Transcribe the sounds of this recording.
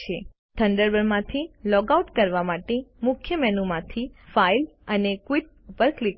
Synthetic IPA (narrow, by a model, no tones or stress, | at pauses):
e | t̪ʰəɳɖəɾbəɾmãt̪ʰilɔɡauʈkəɾʋamaʈemʊkʰjəmɛnumãt̪ʰifailənekʋiʈ̚ | upəɾklik